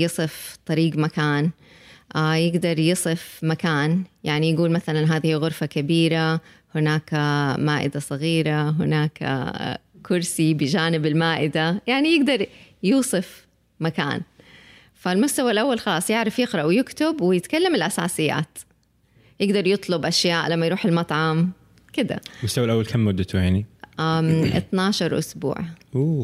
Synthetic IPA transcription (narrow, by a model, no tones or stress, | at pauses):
jɨsˤɨft̪ˤɑɾiːɡmakaːn | jɪɡd̪ɑɾˤjɨsˤɨfmakaːnjaʕnijaɡuːlmaθalanɦaːðihiːɣʊɾfakabiːɾa | hɪnaːkamaːʔɪ̰d̪asˤɑɣiːɾaɦɪnaːka̰kʊɾsibɪd͡ʒaːnɪbɪlmaːʔɪd̪ajaʕnijɪɡd̪ɑɾˤjuːsˤɨf | maka̰ːn | falmʊst̪awalʔawːalxɑlɑːsˤjɪʕɾˤɑfjɪqɾˤɑʔwjɪkt̪ɪbwɪjɪt̪kalːamɪlʔasa̰ːsɪjːa̰ːt̪ | jɪɡd̪ɑɾˤjɨt̪ˤlʊbʔaʃjaːʔlamːajɾˤuːħalmɑt̪ˤʕɑm | kɪd̪a̰mʊst̪awalʔawːalkʰamːʊd̪ːat̪ʊjaʕniʔaʔɪ̰t̪nɑːʃɑɾˤʔʊ̰sbṵːʕʔuː